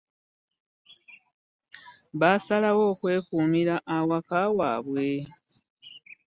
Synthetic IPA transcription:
βasalawoːkwe̞ːkuːmiɾaʔawakawaːβwe̞

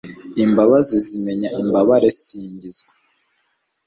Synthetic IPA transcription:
imbaβazizime̞ɲaʔimbaβaɾesiːɲɟizɡwe̥

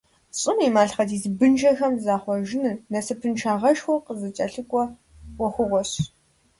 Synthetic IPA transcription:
ɕʼɨmiːmaːɬχɐdiːzbɨnʒɐxɐmzaːχʷɔʒɪnɨnɐsɨpʰɨnʈ͡ʂʰaːʁɐʃxʷɔqəzɨt͡ʃʼɐɬɨkʷʼɔ | wʷɔxʷʊʁʷɔɕ

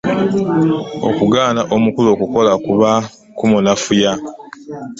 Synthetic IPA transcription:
o̞̰kuɡaːnaʔomukulo̞ːkuko̞lakuβa | kumunafuja

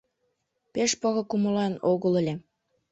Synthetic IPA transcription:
peʃpoɣɤ̆kumolɑnoɣə̆lə̆lʲĕ

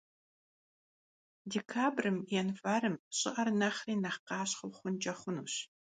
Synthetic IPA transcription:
dekʰaːbrɨmjɛnfaːɾɨmɕʼɪ̰ʔɐrnɐχriːnɐχqɑːɕχʊwχʷʊnt͡ʃʼɐχʷʊnṵːɕ

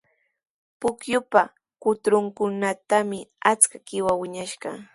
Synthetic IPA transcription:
pʊkjʊpa | kʊt̪ɾʊŋkʊnat̪amɪat͡skakɪwawɪɲaʃɢɑ

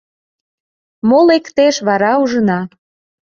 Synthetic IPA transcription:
molekt̪eʃβɑɾɑuʒənɑ

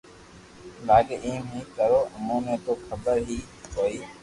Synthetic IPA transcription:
laːɡeẽːmĩːkəɾoːəmõːnẽːt̪oːkʰəbəɾɦiː | koːiː

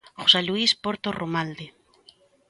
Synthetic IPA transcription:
χoseluispoɾt̪oromald̪e

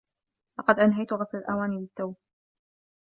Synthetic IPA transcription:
lɑqɑd̪ʔanɦajt̪ʊɣɑsˤlalʔawaːniːbɪt̪ːawb

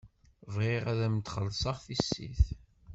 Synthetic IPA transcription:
vʁɪʁæðæmt̪χəlsɑʁθisːḭθ

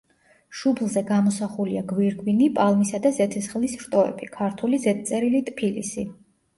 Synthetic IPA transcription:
ʃublˠzɛɡamɔsaχuliaɡwiɾɡwinipʼalˠmisad̪azɛt̪ʰɛsχlisɾt̪ʼɔɛ̰bʰikʰaɾt̪ʰulizɛt̪̚t̪sʼɛɾilit̪ʼpʰilḭsi

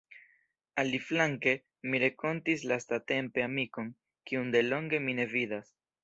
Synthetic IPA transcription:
aliflaŋke̞ | miɾe̞ko̞ntislastate̞mpe̞amiko̞n | kiunde̞lo̞ŋɡe̞mine̞vidas

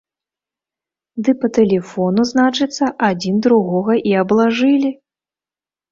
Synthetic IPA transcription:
d̪ɨpɐt̪ɛlʲɛfɔnuznat͡ʂɨt̪sːɐʔad͡zʲind̪ɾuɣɔɣɐʔiɐblˠaʐɨlʲi

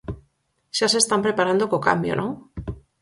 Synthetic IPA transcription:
ʃase̞st̪ampɾe̞paɾand̪okoka̰mbjo̰nʔo

